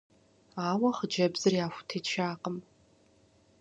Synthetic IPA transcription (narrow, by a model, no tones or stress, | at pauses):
aːwɐχəd͡ʒɐbzɨriaːfʷtʰet͡ʃʰaːqʼəm